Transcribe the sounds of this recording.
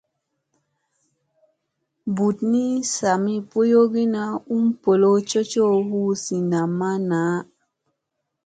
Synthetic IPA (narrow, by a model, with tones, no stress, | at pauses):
bu˨tni˦sa˨mi˦po˦jo˦ɡi˦na˦u˦mpo˨lo˦t͡ʃo˦t͡ʃo˦hu˦si˨na˨mːa˦naː˨˦